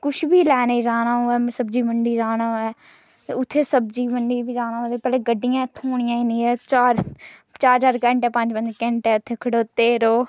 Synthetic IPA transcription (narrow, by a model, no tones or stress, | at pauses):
kʊʃbiːlɛːneːd͡ʒaːnãːoːɛːsəbd͡ʒiːməɳɖiːd͡ʒaːnaːɛː | eːʊt̪ʰːeːsəbd͡ʒiːməɳɖiːbiːd͡ʒaːnãːõːt̪eːpɛːleɡəɖːɪjãːt̪ʰoːɽ̃ɪjãːinĩːɛːt͡ʃaːɾt͡ʃaːɾt͡ʃaːɾkɛ̃ːɳʈɛːpə̃ɲd͡ʒbənd͡ʒkɛ̃ːɳʈɛːʊt̪ʰːeːkʰəɽoːt̪eːɾoː